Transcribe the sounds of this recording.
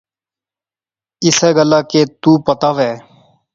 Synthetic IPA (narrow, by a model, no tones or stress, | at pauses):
ɪsɛːɡəlaːkeːt̪uːpət̪aːʋɛː